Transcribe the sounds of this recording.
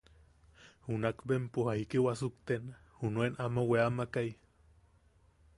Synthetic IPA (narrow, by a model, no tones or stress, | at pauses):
hunakbempuhaikewasukt̪ena | hunuenʔamaweamakaj